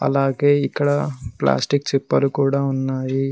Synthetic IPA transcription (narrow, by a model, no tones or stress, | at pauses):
ɐ̰laːɡeːikːɐɽɐpla̰ːsʈikt͡ʃipːɐlukuːɽaunːaːji